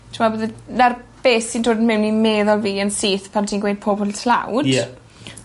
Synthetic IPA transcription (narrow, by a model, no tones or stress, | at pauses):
tʰɪmabəðənarb̥eːsindroːdənmɪwnimeːðɔlˠviːənsiːθpʰantʰiːnɡwejd̚pʰobʊltʰla̰wd̥ɛ